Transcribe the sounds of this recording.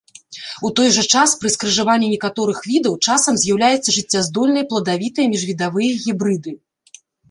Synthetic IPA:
ut̪ɔjʐɐt͡ʂaspɾɨskɾɨʐavanʲːinʲɛkat̪ɔɾɨxvʲid̪ɐwt͡ʂasɐmzʲjawlʲajɛt̪sːɐʐɨt͡sʲːazd̪ɔlʲnɐjɐplˠɐd̪avʲit̪ɐjɐmʲiʐvʲid̪avɨjɐɣʲibɾɨd̪ɨ

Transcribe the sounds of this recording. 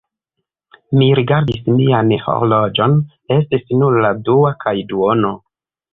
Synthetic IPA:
miɾiɡaɾdismianho̰ɾlo̞d͡ʒo̞n | e̞stisnuɾladuakʰajduono̞

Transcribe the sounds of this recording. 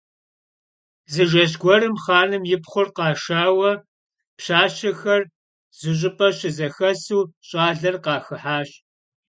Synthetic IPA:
zɨʒɐʑ̬ɡʷɔɾɨmχɑːnɨmjɪpχʷʊrqɑːʃaːwɐ | pɕaːɕɐxɐr | z̥ɨɕ̬ʼɪpʼɐɕɪzɐxɐsuːɕʼaːɮɐrqɑːxɨħaːɕ

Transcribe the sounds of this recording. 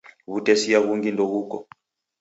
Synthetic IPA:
βutɛsiaβuŋɡindɔɣukɔ̰

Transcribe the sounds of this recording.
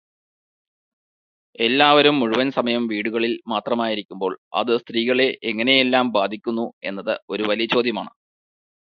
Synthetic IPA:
e̞lːaːʋɐɾumːuɻuʋɐnsɐmɐjɐmʋiːɽuɣɐɭilmaːt̪rɐmaːjiɾikʲːumbo̞ːɭɐ̰ðɨst̪riːɣɐɭe̞ʔeŋːɐne̞jelːaːmbaːd̪ʱikʲːunːue̞̰nːɐðɨo̞ɾuʋɐlijɐt͡ɕo̞ːd̪ʱjɐmaːɳɨ

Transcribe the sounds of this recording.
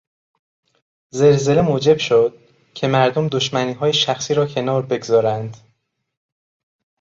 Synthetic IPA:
ze̞lze̞le̞moːd͡ʒe̞b̥ʃod̪̥̚ | cʰe̞mæɾd̪omd̪o̞ʃmæniːɦɒːjeʃæxsiːɾɒːcʰe̞nɒːɾbe̞ɡzɒːɾænd̪̥

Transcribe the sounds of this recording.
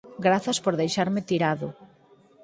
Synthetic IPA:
ɡɾaθɐspoɾðejʃaɾmɪt̪iɾaðʊ

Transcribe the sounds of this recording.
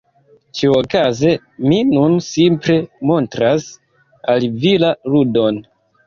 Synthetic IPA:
t͡ʃiokaze | minunsimpɾe̞mo̞ntɾas | alvilaɾudo̞n

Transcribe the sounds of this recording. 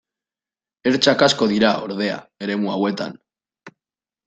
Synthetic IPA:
eɾt͡ʃakaskoðiɾaoɾðea̰eɾemuawet̪a̰n

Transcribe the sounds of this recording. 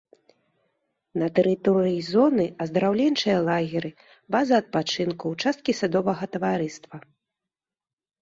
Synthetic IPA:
nɐt̪ɛɾɨt̪ɔɾɨjizɔnɨɐzd̪ɐɾawlʲɛnt͡ʂɨjɐlˠaɣʲɛɾɨ | bazɐːt̪̚pat͡ʂɨnkuwt͡ʂast̪̚kʲisad̪ɔvɐɣɐt̪ɐvaɾɨst̪vɐ

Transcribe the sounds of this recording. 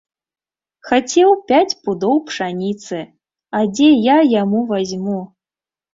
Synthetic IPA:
xat͡sʲɛwpʲat͡sʲpud̪ɔwpʂanʲit̪sɨ | ad͡zʲɛjajamuvazʲmu

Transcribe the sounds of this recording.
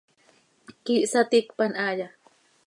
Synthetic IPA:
kiʔsat̪ikpanaja

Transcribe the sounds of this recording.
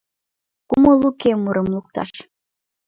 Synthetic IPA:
kumɤlˠukemuɾɤ̆mlˠuk̚t̪ɑ̰ʃ

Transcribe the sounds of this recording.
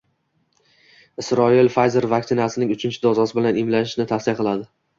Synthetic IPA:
ɪsɾɒilfajzeɾvak̚ʲt̪ɪnasɪnɪŋʊt͡ʃʰɪnt͡ʃʰɪd̪ɒzɒsɪbɪlanɪmlanɪʃnɪt̪ʰasɪjaqʰɨlˠad̪ɪ

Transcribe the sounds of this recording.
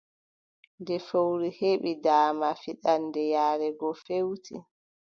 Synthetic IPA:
ndɛfowɾiheɓidaːmafiɗandɛjaːɾɛɡɔfewtʰi

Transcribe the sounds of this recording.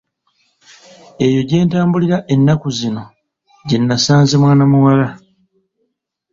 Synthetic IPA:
e̞jo̞ɟe̞ːntaːmbuliɾaʔe̞nːakuzino̞ | ɟenːasaːnzemwaːnamuwala

